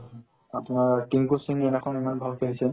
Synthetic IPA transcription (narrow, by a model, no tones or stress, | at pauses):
apʊnaɹkiŋkusiŋɛnɛkʰɔnimanbʱalkʰeɹisɛ